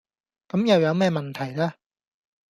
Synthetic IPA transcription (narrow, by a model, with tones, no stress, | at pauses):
kɐ˨˥mja˨˩wjɐ˨˧˥wmɛː˥˧˩ma˧˩nt̪ʰa˨˩jla˥˩